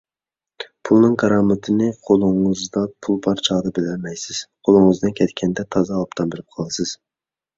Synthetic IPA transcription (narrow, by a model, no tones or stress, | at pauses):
pʰulˠnɨŋkʰɑɾɑmɨt̪ʰɨnɨqʰolˠʊŋɨzd̪ɑpʰulˠbɑɾt͡ʃʰɑʁd̪ɑbɪlɛlmɛjsɪz̥qʰolˠʊŋɨzd̪ɨnkʲʰɛt̪kʲʰɛnd̪ɛt̪ʰɑzɑpt̪ʰɑnbɪɾɪp̚qʰɑlˠɨsɨz̥